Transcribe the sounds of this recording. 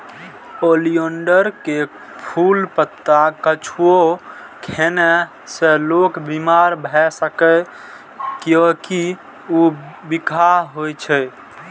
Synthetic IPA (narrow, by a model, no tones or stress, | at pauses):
olioɳɖəɾke | pʰulpət̪ːakət͡ʃʰuo | kʰenɛ | selokbimaɾbʱɛsəkə | kjõki | ubikʰaɦɦojt͡ʃʰɛ